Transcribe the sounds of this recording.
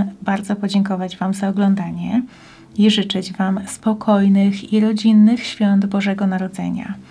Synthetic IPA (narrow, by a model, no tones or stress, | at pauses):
baɾd̪zɔpɔd͡ʑɛŋkɔvad͡ʑvamzaɔɡlɔnd̪aɲɛ | iʐɘt͡ʂɘd͡ʑvamspɔkʰɔjnɘxiɾɔd͡ʑinːɘxɕfʲjɔnd̪bɔʐɛɡɔnaɾɔd̪zɛ̰ɲa̰